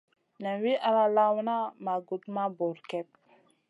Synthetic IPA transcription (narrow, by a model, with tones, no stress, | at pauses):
nɛ˨nwi˦ʔa˨la˦la˦wna˦ma˨ɡu˨tma˦bɔ˨ɾkɛ˦p̚